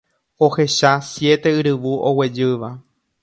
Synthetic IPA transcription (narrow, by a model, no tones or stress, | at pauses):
o̞he̞ʃasje̞t̪e̞ɨɾɨʋuʔowe̞d͡ʒɨʋa